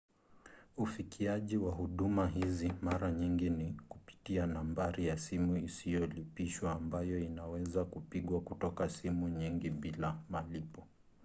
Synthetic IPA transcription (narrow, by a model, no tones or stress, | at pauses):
ufikʰiaʄiwaɦuɗumaɦizimaɾaɲiŋɡinikupi̥tianambaɾijasimuisijɔlipiʃwaːmbajɔinawɛzakupiɠwakutɔkasimuɲiŋɡiɓilamalipɔ